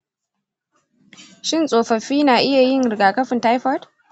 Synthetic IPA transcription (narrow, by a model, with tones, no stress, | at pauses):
ʃɪ˦nsʼoː˨ɸɐ˨ɸiː˦naː˨ʔɪ˦ja˨jɪ˦˨ŋɾɪ˨ɡaː˨kɐ˦ɸɪ˨ntaː˦jɸɔ˦d